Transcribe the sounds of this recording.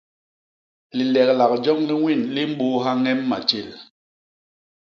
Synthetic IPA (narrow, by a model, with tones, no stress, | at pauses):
li˨lɛ˨k̚la˨k̚d͡ʒɔ˦ŋli˦ŋwi˦˨nli˦m̩˦ɓo˦ɦa˦ŋɛ˦mːa̰˨t͡ʃi˦˨l